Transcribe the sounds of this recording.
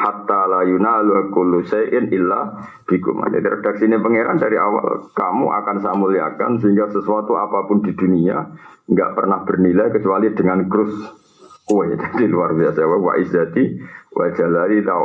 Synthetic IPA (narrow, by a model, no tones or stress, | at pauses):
hat̪ːalajunaluakʊluʃaʔɪnʔɪlːa | b̥ikʊ̰ma̰d͡ʒa̰diɾəd̥ak̚sinepəŋeɾandaɾiawa̰lkamṵʔa̰kansamulia̰ka̰nsəɦiŋɡasəsuat̪uapapʊndid̪uniaŋɡa̰ʔpərnahb̥ərnilajkət͡ʃualidəŋanɡɾʊs | uedad̥iluarbiasawawa̰ʔizat̪iwa̰d͡ʒalalit̪a